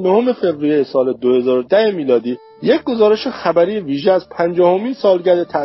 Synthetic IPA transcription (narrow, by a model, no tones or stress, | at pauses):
noho̞me̞fe̞bɾijejesɒːle̞d̪ohe̞zɒːɾod̪æhe̞miːlɒːd̪iː | jecʰɡo̞zɒːɾe̞ʃexæbæɾiːeviːʒeæzpʰænd͡ʒɒːho̞miːnsɒːlɟæɾd̪et̪ʰæ